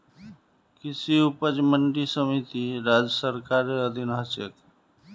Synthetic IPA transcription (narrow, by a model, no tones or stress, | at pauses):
kɪsiupəd͡ʒməɳɖisəmit̪iɾad͡ʒəsəɾkaɾeəd̪ʱinɦət͡ʃḛk